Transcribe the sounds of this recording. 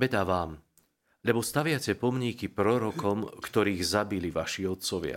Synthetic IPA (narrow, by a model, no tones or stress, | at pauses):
ʋɛd̪aʋaːm | ʎɛbɔst̪aʋɪacɛpɔmɲikipɾɔɾɔkɔmkt̪ɔɾiːɣzabiliʋaʃiɔt̪̚t͡sɔʋɪa̰